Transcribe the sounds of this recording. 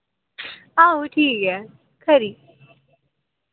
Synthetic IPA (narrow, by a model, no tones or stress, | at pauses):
aːɦuʈʰiːkɦɛː | kʰəɾiː